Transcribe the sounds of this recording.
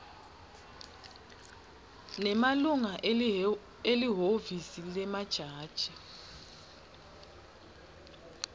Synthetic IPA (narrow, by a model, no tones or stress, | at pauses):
nɛmaluŋa | eliɦovisilɛmad̥ʒ̥ʱaːd̥ʒ̥ʱɛ